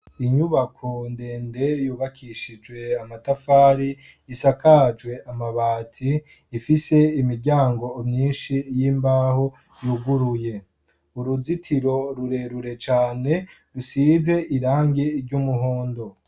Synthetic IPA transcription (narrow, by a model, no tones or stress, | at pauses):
iɲuβakʰonde̞ːnde̞juːβakʰiʃid͡ʒwe̞amatafaːɾi | isakad͡ʒwe̞ʔamaβaːtʰiː | fise̞imiɾɟaːŋɡo̞ːmɲiːnʃijiːmbaːho̞ | juɡuɾuje̞ | uɾuzitʰiɾo̞ɾuɾe̞ɾuɾe̞t͡ʃaːne̞ | ɾusize̞ʔiɾaːŋɡeiɾɟumuɦoːndo̞